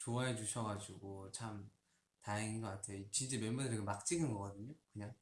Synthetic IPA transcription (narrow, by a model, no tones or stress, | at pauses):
t͡ɕoaɦed͡ʑuɕʰʌɡad͡ʑuɡot͡ɕʰam | taiŋɡʌk͈atʰeot͡ɕint͡ɕ͈emembudɯɾkemak̚t͡ɕ͈iɡɯnɡʌɡʌdɯɲokɯɲaŋ